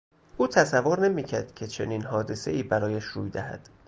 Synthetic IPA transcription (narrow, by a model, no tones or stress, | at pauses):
ʔuːt̪ʰæsævːoɾne̞miːcʰæɾd̪̥cʲʰe̞t͡ʃʰe̞niːnhɒːd̪e̞se̞̰iːbæɾɒːjæʃɾṵːjd̪æhæ̰d̪̥